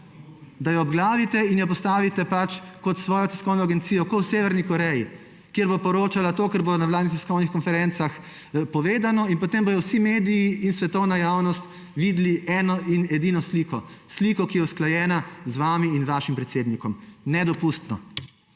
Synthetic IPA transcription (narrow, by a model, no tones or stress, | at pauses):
d̪ajɔɔbɡlaːʋit̪ɛinjɔp̬ɔst̪aːʋit̪ɛpat͡ʃkɔt̪sʋɔːjɔt̪ɛskɔwnɔaɡɛnt̪siːjɔkɔwseːʋɛɾnikɔɾɛji | kjeɾbopɔɾoːt͡ʃalat̪oːkɛɾbonawlaːd̪nit̪ɛskɔwnixkɔnfɛɾɛnt̪sax | pɔʋeːd̪anɔinpɔt̪embɔj̪ɔwsimeːd̪ijiinsʋɛt̪ɔwnajaːwnɔst̪ | ʋid̪liʔɛːnɔinɛd̪inɔsliːkɔsliːkɔkijɛwsklajɛːnazʋaːmiinʋaːʃimpɾɛt̪seːd̪nikɔmnɛd̪ɔpust̪nɔ̰